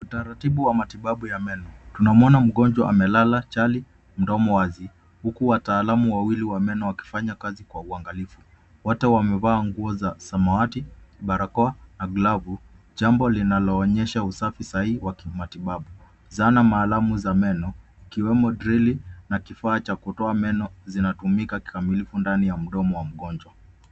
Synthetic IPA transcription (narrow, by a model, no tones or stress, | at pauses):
utaɾatiɓuwamatiɓaɓujamɛnɔtunamɔnam̩ɠɔnd͡ʒwaʔamɛlalat͡ʃali | m̩dɔmɔwazi | hukuwataːlamuwawiliwamɛnɔwaki̥faɲakazikwauaŋɡalifu | wɔtɛwamɛvaːŋɡuɔzasamawatiɓaɾakɔanaɡlavu | ʄambɔlinalɔːɲɛʃausafisahiwakimatiɓaɓu | zanamaːlamuzamɛnɔ | ikiwɛmɔdɾilinakifaːt͡ʃakutɔamɛnɔzinatumikaki̥kamilifundanijam̩ɗɔmɔwam̩ɠɔnd͡ʒwa